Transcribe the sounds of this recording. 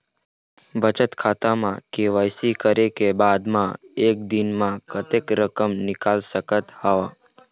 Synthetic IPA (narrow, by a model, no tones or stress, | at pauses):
bət͡ʃət̪kʰaːt̪amãkeʋaːjsikəɾekebaːd̪mãeːk̚d̪inmãkət̪ekɾəkəmnɪkaːlsəkət̪haʋa